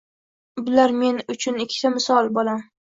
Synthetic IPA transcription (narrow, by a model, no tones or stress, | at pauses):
bɪlaɾme̞nʊt͡ʃʰʊnɪkʲʰːɪ̥t̪ʰamɪsɒlˠbolam